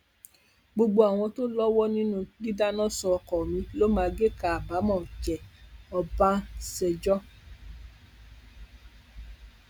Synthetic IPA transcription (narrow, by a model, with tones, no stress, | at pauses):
ɡ͡bo˧ɡ͡bo˧a˨w̃ɔ̃˧to˦lɔ˦wɔ˦nĩ˦nũ˦li˦da˦nɔ̃˦sɔ˧ɔ˧kɔ˨mĩ˧lo˦mãː˧ɡe˦ka˨a˨ba˨˦mɔ̃˦˨d͡ʒɛ˨ɔ˧ba˦sɛ˧d͡ʒɔ˦